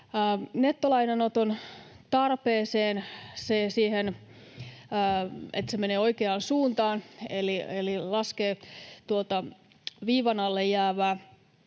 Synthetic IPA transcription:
net̪ːolɑinenot̪on | t̪ɑrpeːseːnsesiːhen | ḛt̪semeneːo̞ikeɑːnsuːnt̪ɑːnelielilɑskeːt̪uot̪ɑ | ʋiːʋɑnɑlːejjæːʋæː

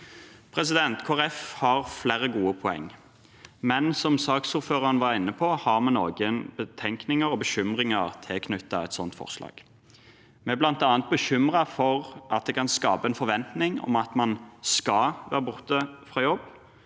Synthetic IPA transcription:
pʰɾɛsɪd̪ɛnt̪kʰoːæʁɛfhɑʁflæːɾəɡuːəpʰʊɛ̰ŋː | mɛnsɔmsɑːksuːɾføːʁɑnʋɑɾɪnːəpʰohɑʁmɛnoːɡənbət̪ʰɛŋknɪŋəɾɔbəɕʏmʁɪŋəʁt̪ʰɪkʰnʉt̪ːɑɛt̪sɔnt̪fɔ̰ʁslɑ̰ːɡ̥ | mɛɛblɑnt̪ɑːnət̪̚bəɕʏmʁɑfɔʁɑt̪̚d̪ɛkʰɑnskɑːpəɛnfɔɾʋɛnt̪nɪŋɔ̰mɑt̪mɑnskɑʋæ̰ːʁəbʊʁt̪əfʁɑːjɔbː

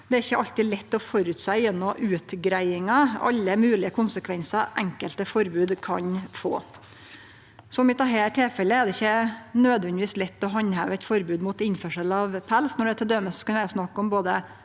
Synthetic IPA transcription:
d̪̥ɛæɾɪçːəʔɑlt̪ɪlɛt̪ːɔfɔɾʉt̪sæɪjɛnːɔmʉːt̪ɡɾæɪɪŋɑɑ̰lːəmʉːlɪəkʰʊnsəkʰʋɛnsɑʔɛŋkəlt̪əfɔɾbʉːd̪kʰɑ̰ɲfo̰ː | sɔmɪt̪ʰɑːɦeːʈʰeːfɛlːəæd̪ɛɪçːənøːd̪ʋɛnd̪ɪʋiːslɛt̪ːɔɦɑnːhæ̰ːʋɛt̪fɔɾbʉːd̪muːt̪ɪnfœʂəlɑʋpʰælsnɔɖɛæt̪ʰɛld̪øməsɔ̥skɑnʋæɑsnɑkːɔmboːd̪ə

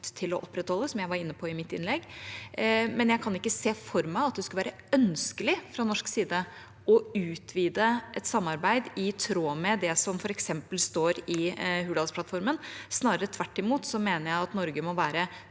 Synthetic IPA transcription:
t̪ʰɪlɔʔɔpːɾɛt̪hɔlːəsɔmjæɪʋɑɾɪnːəpʰɔɪmɪt̪ːɪ̰nlɛɡː | mɛnjæɪkʰɑnɪkːəseːfɔɾmæɪɑt̪̚d̪ɛskʉlʋæːɾə | œnskəlɪfɾɑnɔʂksiːd̪ə | ɔʉːt̪ʰʋiːd̪əʔɛt̪sɑmːɑɾbæɪd̪ɪt̪ʰɾoːmɛd̪ɛsɔmfɔɾɛksɛmpəlst̪oːɾɪhʉːd̪ɑlsplɑt̪fɔɾmənsnɑːɾəɾət̪ʰʋæʈːɪmuːt̪sɔmeːnəɾjæɪɑt̪nɔɾɡəmɔʋæːɾə

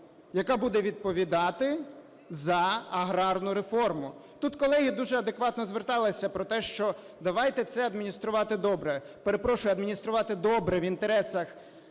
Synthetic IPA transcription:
jɐkɑbud̪ɛʋʲid̪̚pɔʋʲid̪ɑt̪ɪ | zɐɐɦɾɑrnʊɾefɔrmʊt̪ut̪kɔlˠɛɦʲid̪uʒɛɐd̪ekʋɑt̪nɔzʋert̪ɑlˠɪsʲɐpɾɔt̪ɛʃt͡ʃɔ | d̪ɐʋɑjt̪ɛt̪sɛɐd̪mʲinʲist̪ɾʊʋɑt̪ɪd̪ɔbɾɛ | peɾepɾɔʃʊjʊɐd̪mʲinʲist̪ɾʊʋɑt̪ɪd̪ɔbɾɛʋint̪eɾɛsɐx

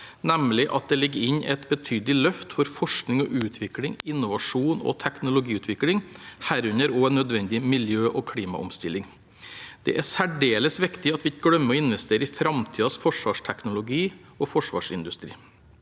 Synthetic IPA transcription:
næmlɪʔɑt̪̚d̪ɛlɪɡəɪɲɛt̪bət̪ʰyːd̪lɪlœft̪fɔɾfɔʂknɪŋɔʔʉːt̪ʰʋɪklɪŋɪnːʊʋɑʂuːnɔ̰t̪ʰæknʊlʊɡiːʉːt̪ʰʋɪklɪŋhæːɾʉnəɾoːnːœd̪ʋɛnd̪ɪmɪljøːʔɔːkʰɽiːmɑ̰ʔɔ̰mst̪ɪlːɪŋ | d̪̥ɛ̰ʔæsæɖeːləsʋɪkt̪ɪɑt̪ʋɪɡɽœmːəɔɪnʋɛst̪ʰeːɾəɪfɾɑmt̪ʰiːɑsfɔʂʋɑːʂʈʰɛknʊlʊɡiː | ɔfɔʂʋɑ̰ːʂɪ̰nd̪ʉst̪ɾḭː

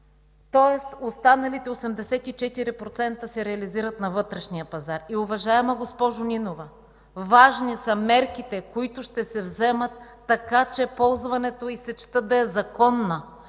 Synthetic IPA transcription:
t̪ɔɛst̪ost̪anɐlit̪ɛosɛmd̪ɛsɛt̪it͡ʃɛt̪iɾipɾot̪sɛnt̪əsɛɾɛɐliziɾɐt̪nɐvɤt̪ɾɛʃnijəpɐzaɾiʊvɐʒaɛmɐɡospɔʒʊnʲinovɐ | vaʒnisɐmɛɾkit̪ɛkoit̪ʊʃt̪ɛsɛvzɛmət̪ː | ɐkat͡ʃɛpɔlˠzvɐnɛt̪oisɛt͡ʃt̪ɤd̪ɐɛzɐkɔnːə

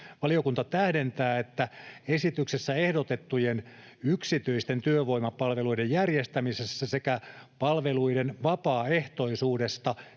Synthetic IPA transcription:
ʋɑliokunt̪ɑt̪æhdent̪æːet̪ːæesit̪yksesːæehdot̪et̪ːujen | yksit̪yist̪ent̪yøʋoimɑpɑlʋe̞luidejjærjest̪æmisesːæsekæpɑlʋeluidenʋɑpɑːe̞ht̪o̞isuːdest̪ɑ

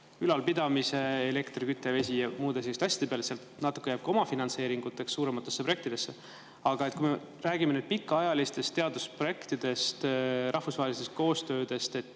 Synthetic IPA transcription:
kylɑlpid̪̥ɑmise̞ele̞kt̪rikyt̪ːˑeve̞s̬ʲijɑmuːd̪eseist̪ɑɕʲjɑ̥d̪̥eeɑleseɑlt̪nɑt̪ːˑu̥kːeæːb̥̚kɑo̞mɑfinɑnse̞ːɾiŋɡ̥ut̪ːˑe̞kssuːɾemɑt̪ːˑe̞sːeproe̞k̪̚t̪id̪e̞sːe̞ | ɑɡ̥ɑet̪ːkuijme | ræːɡimenyːd̪̥̚pikːɑɑjɑlist̪e̞st̪e̞ɑd̪uspro̞je̞kt̪id̪̥e̞st̪ɾʔɑhfusvɑɦelist̪est̪̚ko̞ːst̪ø̞ːd̪e̞st̪e̞t̪ːˑ

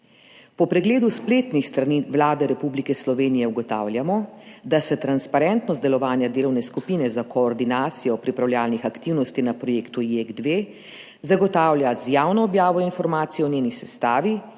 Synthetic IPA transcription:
pɔpɾɛɡleːd̪uspleːt̪nixst̪ɾaniʋlaːd̪ɛɾɛpublikɛslɔʋeːnijɛuɡɔt̪a̰ːwlʲjamɔd̪asɛt̪ɾanspaɾɛnt̪nɔst̪d̪ɛlɔʋaːnjad̪eːlɔwnɛskupiːnɛzakɔːɾd̪inaːt̪sijɔpɾipɾawljaːlnixakt̪iwnɔst̪inapɾɔjeːkt̪ujeɡd̪ʋeː | zaɡɔt̪aːwlʲjazjaːwnɔːbjaːʋɔinfɔɾmaːt̪sijɔnjeːnisɛst̪aːʋi

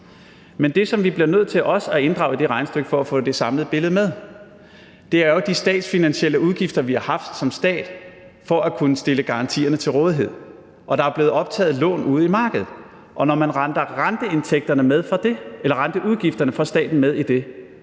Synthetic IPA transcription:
mend̥e̝sɒ̽mʋib̥liɐnøð̞̰ˠt͡sʰe̝lʔɒ̽sæe̝nd̥ʁɑ̈ʊid̥e̝ʁɑ̈ɪnsd̥øɡ̥fɒ̽æfɔ̰ːd̥e̝sɑ̈mləð̩ˠb̥e̝ləð̩ˠmeð̞ˠ | d̥e̝æɐɒd̥isd̥ɛ̰ːd̥sfinænɕel̰əuð̞ˠɡ̥ifd̥ɐʋihɑ̈hɑ̈fd̥sɒ̽msd̥ɛ̰ːd̥ | fɒ̽ækʰunəsd̥e̝ləɡ̥ɑ̈ʁɑ̈nt͡sʰḭːɐnət͡sʰe̝lʁɔ̽ːð̞ˠiɦe̝ð̰ˠ | ʔɒ̽ɾ̥ɑ̈æɐb̥le̝ːð̩ˠɒ̽b̥̚t͡sʰɛ̰ːð̞̩ˠlɔ̰ːnuːð̞ˠimɑ̈ːɡ̥əð̞̩ˠ | ʔɒ̽nɒmænʁɑnd̥ɐʁand̥əe̝nt͡sʰeɡ̥̚d̥ɐnəmeðˠfɑ̥elɐʁɑnd̥əʔuðˠɡ̥ifd̥ɐnəfʁɑ̈sd̥ɛ̰ːd̥n̩með̞ˠid̥e̝

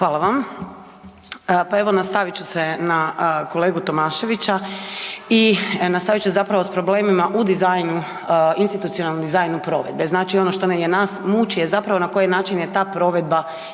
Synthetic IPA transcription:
xʋaːlˠaʋam | pae̞ʋo̞nast̪aʋit͡ɕusenako̞le̞ːɡut̪o̞maːʃe̞ʋit͡ɕa | inast̪aʋit͡ʃusezapɾaʋo̞spɾo̞ble̞ːmimaʔud̪izajnu | inst̪it̪ut̪sijo̞nalnod̪izajnupɾo̞̰ʋe̞̰d̪be̞znaːt͡ʃio̞no̞ʃt̪onejenaːsmut͡ʃije̞zapɾaʋo̞nako̞jenaːt͡ʃinjet̪aːpɾo̞ʋe̞d̪̚ba

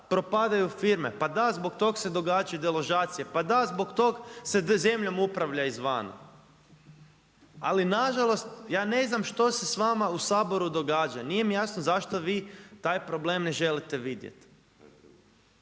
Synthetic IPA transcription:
pɾo̞pad̪ajufiɾmepad̪azbo̞kt̪o̞ɡse̞d̪o̞ɡaːd͡ʒajud̪elˠo̞ʒaːt̪sijepad̪azbokt̪o̞ɡseze̞mʎo̞mupɾaʋʎaizʋa̰ːna̰ | alinaʒalˠo̞st̪jaːne̞znamʃt̪o̞se̞sʋamausaːbo̞ɾud̪o̞ɡaːd͡ʒanije̞mijasnozaʃt̪o̞ʋiːt̪aːjpɾo̞ble̞ːmneʒe̞lit̪eʋid̪jḛt̪

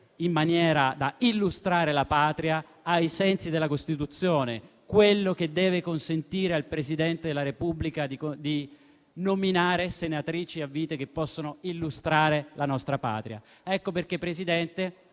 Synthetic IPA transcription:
imːanjɛːɾad̪ailːust̪ɾaːɾelapaːt̪ɾia | ajsɛnsid̪elːakost̪it̪ut̪sːjoːne | kwelːok̟ed̪ːɛːvekonsent̪iːɾealpɾesid̪ɛnt̪ed̪elːaɾepublikad̪id̪i | nominaːɾesenat̪ɾiːt͡ʃiavːiːt̪ekepːɔsːonoilːust̪ɾaːɾelanɔst̪ɾapa̰ːt̪ɾia̰ | ɛkːoperkepːɾesid̪ɛnt̪e

